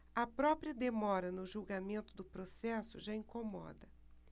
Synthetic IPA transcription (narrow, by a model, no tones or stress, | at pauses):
ɐpɾɔpɾiɐd̪emɔɾɐnʊʒuwɡamẽnt̪ʊd̪ʊpɾosɛsʊʒaĩŋkomɔ̰d̪ɐ